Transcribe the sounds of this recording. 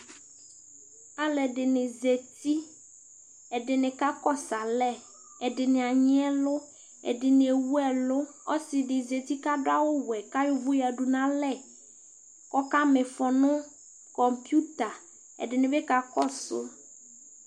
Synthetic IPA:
a˨lɛ˨ɖɪ˨nɪ˨ze˨t̪i˦ | ɛ˨dɪ˨nɪ̃˨ka˦kɔ˦sa˨lɛ˦ | ɛ˨dɪ˨nɪ˨a˨ɲɪ˦ɛ˦lʊ˦ | ɛ̰˨dɪ˨nɪ̃˨e˨wu˦ɛ˨lʊ˦ | ɔ˦sɪ˨dɪ˨ze˨t̪i˦ka˦dʊ˦a˦wʊ˦wɛ˨ka˦jʊ˦vʊ˦ja˨ɖu˨nã˦lɛ˦˨ | kɔ˦ka˦mɪ˨fɔ˨nʊ̃˦ | kɔ˨mpju˦t̪a˨ | ɛ̰˨ɖɪ˨nɪ̃˨bɛ˦ka˨kɔ˦sʊ̰˦

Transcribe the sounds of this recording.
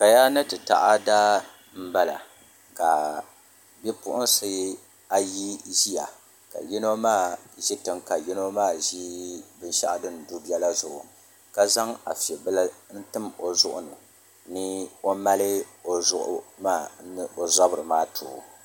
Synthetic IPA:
ka˨ja˦nɨ˦tɨ˨ta̰˨ʔa˦daː˦ | m̩˦ba˦la̰˨ | ka˨ | bɛ˦pʊ̰˦ʔʊ˦n˦sɨ˨˦ | a˨ji˦ʒi˦ja˨ | ka̰˨jɛ˦no˦maː˦˨ʒi˦tɨ˨mka˨ji˦no˦maː˦˨ʒi˦bɨ˦n˦ʃa̰˦ʔa˦dɨ˦n˨du˦bɛ˦la˦zʊ˨ʔʊ˨ | ka˦za˦ŋa˨fi˨ɛ˨bɨ˦la˦n̩˦tɨ˦mo˨zʊ˦ʔʊ˦nɨ˨ | nɨ˦o˦ma˦lɨ˦o˨zʊ˦ʔmaː˦˨n˦o˨za˦bɨ˨ɾɨ˨maː˦tʰʊ̰ː˨

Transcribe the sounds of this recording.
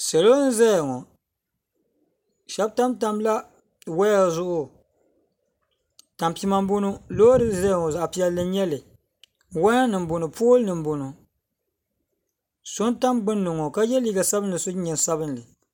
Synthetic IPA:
sɛ˨lo˦n̩˦zɛ˦˨ŋɔ˨ | ʃɛ˦b̚ta˦mta˦mla˦ | wɛ˦a˨zʊ˦˨ʔʊ˦ | ta˨mpi˦ma˦mbo˦nu˦loː˦dɨ˦zɛ˦jŋɔ˨za˨ʔpi˦ɛ˨lːɨ˦ɲɛ˦lɨ˨ | wa˦na˦nɨ˨m̩˦bo˨nɨ˨pʰoː˦lɨ˦nɨ˨m̩˨bo˨nu˨ | so˦n˦ta˦mɡ͡bɨ˦nːʊ˨ŋɔ˨ka˦jɛ˦liː˦ɡa˨sa˦bɨ˦nː˨ɨ˨so˦ɲɛ˨n˨sa˦bɨ˦n˨lɨ˨

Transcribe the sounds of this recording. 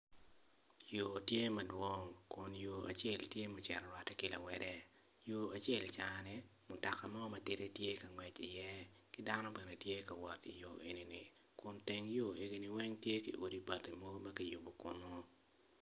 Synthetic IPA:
jo˨tje˦mɐ˨dwɔ˦ŋkʊ˨njoː˨ʔa̰˨t͡ʃe˦˨ltje˦mʊ˨t͡ʃɛ˨ɾɔ˨ɾwa˨tɛ˦kɪ˦la̰˨wɛ˨dɛ˦ | joː˨a˨t͡ʃe˦˨lt͡ʃa˨nɛ˦mʊ˨ta˨ka˨mɔ˦mɐ˨tɪ˦ɾe˦tje˦kɐ˨ŋwɛ˨t͡ʃi˨jɛ˦ | kɪ˦da˦no˦bɛ˨ne˨tje˦kɐ˨wɔ˨tḭ˨jo̰˨e˨ni˨nɪ˨ | kʊ˨nte˦ŋjo˦e˨ɡi˦ni˨wɛ˦ŋtje˦kḭ˨ʔo˨di˦ba˨tːi˨mo˦ɡo˦mɐ˦ki˦ju˨bo˨kʊ̰˨nɔ˦

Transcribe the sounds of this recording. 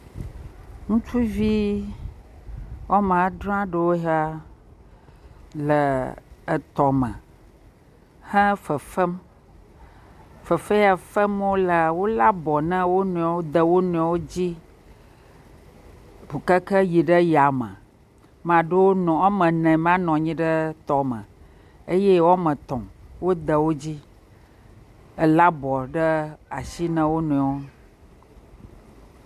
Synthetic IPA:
ŋũ˦t͡ʃu˦vi˦ | wɔ˦mã˨˦ɖɾɔ̃˦ã˦ɖə˦wo˦ɦa˦ | lə˨ə˨t̪ɔ˨mə̰̃˨ | hə̃˦fə˨fə˦m | fə˨fə˦ja˨fə˦mwo˦lə˨wo˦la˦bɔ˨nã˦wo˦nũ˨a˨wo˦d̪ə˨wo˦nɔ̃˨a˨wo˦d͡ʑi˦ | bu˨kə˦kə˦ji˨ɖə˦ja˨mə̰̃˨ | mã˨ɖo˦wo˦nɔ̃˨a˦mə̃˨nɛ̃˨mã˦nɔ̃˨ɲĩ˦ɖə˦t̪ɔ˦mə̰̃˨ | e˦je˦wo˦a˦mə̃˨t̪ɔ̰̃˨wo˦d̪ə˨wo˦d͡ʑi˦ | ə˨la˦bɔ˨ɖə˦a˨si˦nə̃˦wo˦nũ˨a˨wo˦

